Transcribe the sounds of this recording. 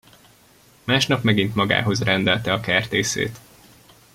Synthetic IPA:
maːʃnɒpmɛɡint̪mɒɡa̰ːɦo̞zrɛnd̪ɛlt̪ɛɒkɛrt̪eːsḛːt̪

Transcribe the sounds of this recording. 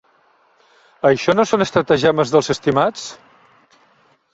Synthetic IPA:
əʃɔnosonəst̪ɾət̪əʒaməzðəlˠzəst̪imat͡s

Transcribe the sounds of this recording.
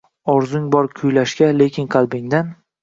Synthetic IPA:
ɒɾzʊŋbɒɾkʲʰʊjlaʃkʲale̞kʲʰɪnqʰɑlˠbɪŋd̪an

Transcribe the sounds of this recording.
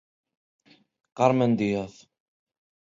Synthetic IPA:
qɑɾˤmənd̪ijæθ

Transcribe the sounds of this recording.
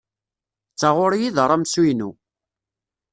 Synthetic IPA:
t͡sːaʁʊɾijiðɾˤamsujnu

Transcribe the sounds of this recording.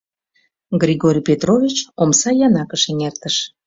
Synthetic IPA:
ɡrʲɾʲiɣoɾʲpʲet̪rovʲit͡ɕomsɑjɑnɑkəʃeŋert̪əʃ

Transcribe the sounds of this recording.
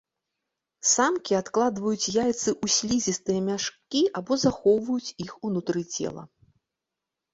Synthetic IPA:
samkʲiat̪klˠad̪vɐjut͡sʲjajt̪sɨʔusʲlʲizʲist̪ɨjɐmʲaʂkʲiabɔzaxɔwvɐjut͡sʲixunut̪ɾɨt͡sʲɛ̰lˠɐ̰

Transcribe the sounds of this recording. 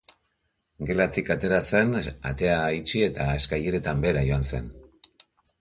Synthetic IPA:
ɡe̞lat̪ikat̪e̞ɾase̞na̰t̪e̞ait͡ʃie̞t̪aeskajeɾe̞t̪ambe̞ɾajo̞anse̞n

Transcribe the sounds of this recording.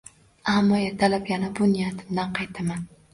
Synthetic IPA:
amːɒjat̪ʰalapjanabʊnɪjat̪ʰɪmd̪anqʰɑjt̪ʰaman

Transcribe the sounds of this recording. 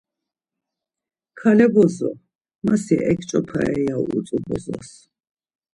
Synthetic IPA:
kʰalɛbɔzɔ̰ | masiʔɛkʰt͡ʃʼɔpʰa̰ɛjauut͡s̪ʼubɔzɔ̰s

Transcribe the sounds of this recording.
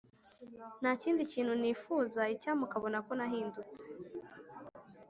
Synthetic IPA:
n̥aːciːndiciːn̥huniːfuːzaicaːmukaβo̞nako̞naɦiːndut͡se̥

